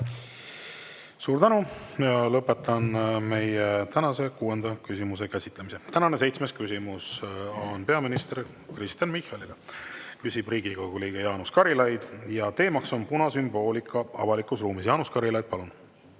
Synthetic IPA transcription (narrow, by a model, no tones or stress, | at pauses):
suːɾt̪ænujɑlɤpːˑe̞t̪ːɑnme̞jet̪ænɑse̞kuːe̞nd̪̥ɑkysimus̬e̞kæsʲit̪ˑlemise̞t̪ænɑnes̬e̞jt̪smeskysʲimusɑːnpe̞ɑminist̪eɾ | krist̪jɑnmihɑlilekysʲib̥riːɡiko̞ɡuliːɡ̥ɑjɑːnuskɑɾilɑjd̪̥jɑt̪e̞ːmɑkso̞npunɑsymb̥o̞ːlʲikʰˑːɑɑ̰vɑlikˑusruːmisjɑːnuskɑɾilɑjd̪̥̚pɑlun